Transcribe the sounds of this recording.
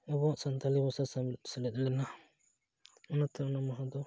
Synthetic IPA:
ɔbɔʔsant̪alibɔsasamt̪sɛlɛt̪̚ˀlɛna | ɔnat̪ɛnamaɦɔd̪ɔ

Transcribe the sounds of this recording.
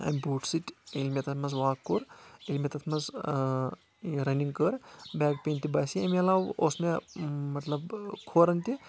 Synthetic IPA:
ɐ̰mibuːʈsiʈʲilmʲet̪ɐt̪ʰmɐzʋaːkːoɾilmʲet̪ɐt̪ʰmɐz | ɾɐniŋɡkəɾbɛːk̚pent̪ibaːsiɐmɐlaːwoːsmemɐt̪lɐbkʰoːɾɐnt̪i

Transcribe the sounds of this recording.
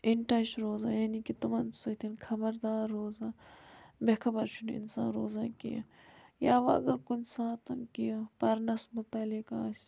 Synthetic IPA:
ɪɳʈɐʃɾoːzaːjaːnikit̪umɐnsɐt̪ʰinkʰɐbɐɾd̪aːɾːoːzaːbeːkʰɐbɐɾt͡ʃʰunɪ̰nsã̰ːnɾoːzaːkḭjɐ̰ | jaːʋɐɐ̰ɡɐɾkʊnsãːt̪ɐnkijapɐɾnɐsmʊt̪ɐlikaːs

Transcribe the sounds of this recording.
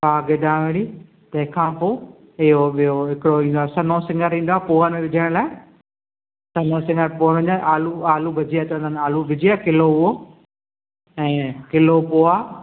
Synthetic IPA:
paːɡɪd̪ãːʋẽɽi | t̪ɐ̃ɦɪ̃kʰãːpoː | ɪɦoɓijoɦɪkɪɽoĩːnd̪oaːsɐnosɪ̃ŋɡəɾĩːnd̪oaːpoːənẽʋɪd͡ʑʱəɽ̃laːɪ | sɐnosɪ̃ŋɡəɾpoːnə̃ɲd͡ʑaʔaːluaːlubʱɐd͡ʑiaːt̪nd̪ənaːlubʱɪd͡ʑiakɪloɦʊɦo | ɛ̃ːkɪlopoːaː

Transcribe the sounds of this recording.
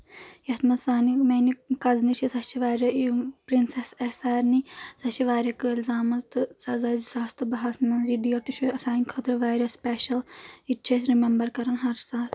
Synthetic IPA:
jɐt̪mɐsaːnimenikɐznit͡ʃʰisɐt͡ʃʰiʋaːɾʲɐipɾinsesesaːɾnisɐt͡ʃiʋaːɾʲɐkɨilʲzaːmɐzt̪ɨsɐzaːzisaːst̪ɨbɐɦɐsnɐnzidijɐʈuʃoɐsaːnʲkʰɐt̪ɾɐʋaːjɾʲɐspʲeːʃɐliʈʰesɾimembɐɾkɐɾɐnɦɐɾsaːt̪ʰ

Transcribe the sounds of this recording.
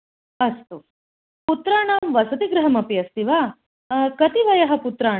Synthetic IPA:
ɐst̪u | put̪ɾaːɳaːmʋɐsɐt̪iɡɾɐɦɐmɐpiɐst̪iʋaː | kɐt̪iʋɐjɐɦɐ̆put̪ɾaː

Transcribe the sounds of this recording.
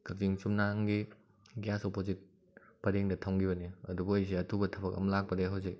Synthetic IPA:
kɐk̚tiŋsumnaŋɡi | ɡjasopozit̚ | pɐɾeŋdɐtʰawŋɡibɐniɐ̰dubuɐjs̬eɐtʰubɐtʰɐbɐkɐ̰mlak̚pɐdeɦawse

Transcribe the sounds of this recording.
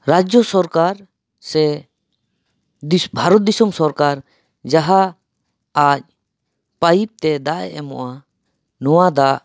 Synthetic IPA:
ɾad͡ʒjɔsɔɾkaɾ | sɛ | bʱaɾɔt̪̚d̪isumsɔɾkaɾ | d͡ʒaɦa | ac̚ | pajip̚t̪ɛd̪aʔɛ̰ʔɛmɔ̰ʔa | nɔwad̪aʔ

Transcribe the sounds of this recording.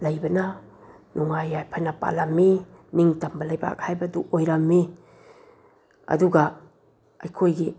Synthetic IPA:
lɐjbɐna | nʔuŋajajpʰajnapa̰lamːi | niŋtambɐlajba̰k̚hajbaduʔojɾamːi | ɐ̰duɡa | ajkʰojɡi

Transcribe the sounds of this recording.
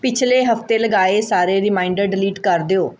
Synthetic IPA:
pɪt͡ʃʰleːɦəft̪eːləɡaːeːsaːɾeːɾɪmaːɪɳɖəɾɖɪliːʈkəɾd̪eoː

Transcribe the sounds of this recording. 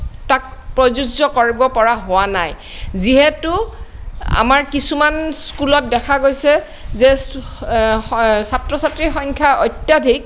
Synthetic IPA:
tak̚pɹɔzuzzɔkoɹibɔpɔɹaɦʊwanaj | ziɦɛtʊ | a̰maɹkisumanskulɔt̚dɛkʰaɡojsɛ | zɛ | satɹɔsatɹixɔŋkʰaʔɔjtːjadʱik̚

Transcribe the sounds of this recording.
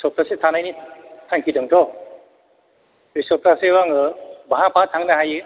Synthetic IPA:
sɔp̚tasetʰanajnitʰaŋkʰidɯŋtʰɔ | ɾisɔp̚tasewaŋɯbaɦapʰatʰaŋnaɦajɯ

